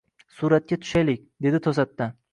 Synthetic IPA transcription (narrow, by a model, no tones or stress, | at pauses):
suɾat̪̚kʲat̪ʰʊ̥ʃajlek̚ʲd̪e̞d̪ɪt̪ʰosat̪ːa